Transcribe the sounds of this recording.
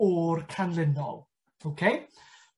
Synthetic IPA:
ɔrkʰanlɪnɔ̰lˠ | okʰej

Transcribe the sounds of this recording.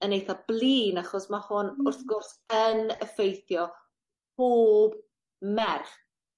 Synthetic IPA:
ənejθablˠiːnaχɔsmahʊnʊrθɡʊrsənəfejθjɔ | pʰoːb | mɛrχ

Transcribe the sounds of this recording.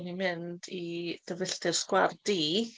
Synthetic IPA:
nimɪndid̥əvɪɬtɨrskward̥iː

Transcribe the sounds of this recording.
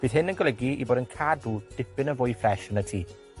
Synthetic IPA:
b̥iːðɦɪnənɡɔlˠɛɡiḭboːdənkʰaːduːd̥ɪpɪnəvʊjfrɛʃənətʰiː

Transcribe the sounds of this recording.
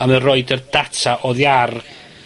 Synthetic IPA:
amərɔɨdərdatʰaʔɔðjar

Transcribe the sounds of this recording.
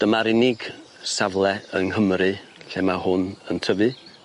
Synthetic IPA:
d̥əmaɾɪnɪɡ | savlˠɛəŋɦəmrɨɬemahʊnəntʰəvɨ

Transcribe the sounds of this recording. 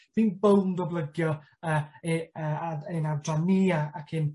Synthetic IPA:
ð̥iːnbowndɔblˠəɡjɔ | əːəaenadraniːaakʰɨn

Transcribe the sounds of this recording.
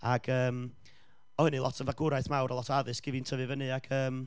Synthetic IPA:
aɡəːm | ɔhənɨlˠɔ̰tʰənvaɡʊɾajθmawɾɔlˠɔtʰɔaðɨsɡ̥ɪvintʰəvɨvənɨaɡ̥əːm

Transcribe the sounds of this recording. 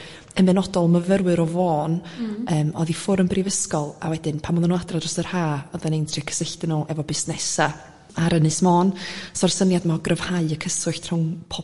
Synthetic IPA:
ənbɛnɔdɔlˠməvəɾwɨɾɔvɔːnəːmɔ̰ðifʊɾəmbrivəskɔlˠa̰wɛdɪnpʰamɔðanuadradrɔstər̥haːɔðanejntʰrikʰə̥səɬtɪnuʔɛvɔbɪsnɛsa | aɾənɨsmɔːnsɔrsənjadmaɡrəv̥haɨəkʰəsʊɬtʰr̥ʊŋpʰɔ

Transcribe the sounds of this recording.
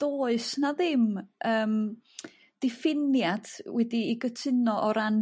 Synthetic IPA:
d̥oːɨsnaðɪmʔəːm | d̥ɪfɪnjad̥wɛdiːɡətʰɪnɔʔɔɾan

